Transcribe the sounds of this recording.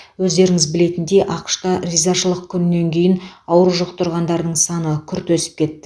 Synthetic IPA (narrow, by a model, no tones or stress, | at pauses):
wɵzd̪e̞ɾɪŋɪzbɪle̞t̪ɪnd̪e̞ʔɑqʃt̪ɑrʲizaʃəlˠəq̚kʲʰʏnɪne̞ŋkʲʰe̞jɪnɑwɾuʒoqt̪ʊɾʁɑnd̪ɑɾd̪əɴsɑnəkʲʰʏɾt̪wɵsɪ̥p̚kʲʰe̞t̪ːɪ